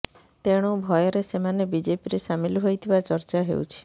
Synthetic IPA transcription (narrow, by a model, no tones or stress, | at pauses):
t̪eɽ̃obʱɔjɔɾesemanebid͡ʒepiɾesamilɦojt̪ʰibat͡ʃɔɾt͡ʃaɦḛṵt͡ʃʰi̥